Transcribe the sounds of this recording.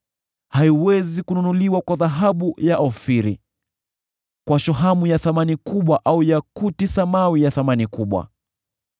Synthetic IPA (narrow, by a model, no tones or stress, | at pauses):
haiwɛzikununuliwakwaðaɦaɓujaʔɔfiɾi | kwaʃɔɦamujaθamanikuɓwaʔaujakutisamawijaθamanikuɓwa̰